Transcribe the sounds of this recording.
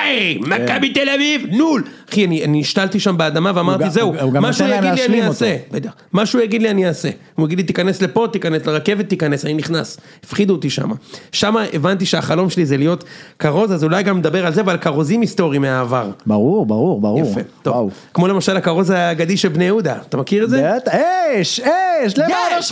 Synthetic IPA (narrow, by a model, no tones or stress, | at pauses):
ajmakabit̪elavivnulaχianianiiʃt̪alt̪iʃambead̪amaveamaʁizeuɡmaʃujaidlianiasebed̪eχ | maʃujaɡid̪lianiase̞ | ujaɡid̪lit̪ikane̞sle̞po̞t̪ikane̞sleʁake̞vet̪ːikane̞saniniχnas | ifχid̪ut̪iʃa̰ma̰ʃamaʔevant̪iʃeaχalo̞mʃelizelijo̞t̪kaʁo̞zazulajɡamːed̪abe̞ʁalzevalkaʁo̞zimist̪o̞ʁimeaːvaʁbaʁuʁbaʁuʁbaʁafḛt̪ovkmo̞le̞maʃalakaʁo̞zaːɡad̪iʃelbnejud̪at̪amakiʁed̪zeeʃeʃle